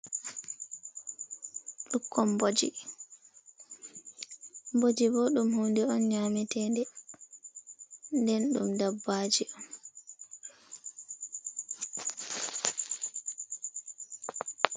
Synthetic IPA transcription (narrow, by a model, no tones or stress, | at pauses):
ɗukʰːɔmbod͡ʒḭ | mbod͡ʒibɔɗumhundɛɔnɲamitʰɛndɛ | ndɛnɗṵmdabːaːd͡ʒiɔn